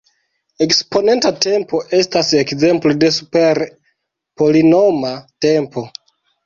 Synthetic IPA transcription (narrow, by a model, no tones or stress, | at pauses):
e̞kspo̞ne̞ntate̞mpo̞ʔe̞stase̞kze̞mplode̞supe̞ɾ | po̞lino̞mate̞mpo̞